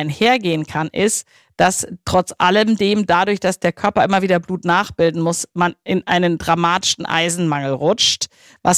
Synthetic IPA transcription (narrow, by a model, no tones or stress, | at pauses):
ɪnheːɐɡeːənkʰanʔɪst | d̥astʁ̥ɔt͡sʔa̰ləmdeːmdadʊɐçd̥asd̥eːɐkʰœɐpɐʔɪmɐviːdɐbluːtnaːχb̥ɪldn̩mʊsmanʔɪnʔaɪnəndʁamaːtɪ̥ʃn̩ʔa̰ɪzn̩maŋl̩ʁʊt͡ʃt | va̰s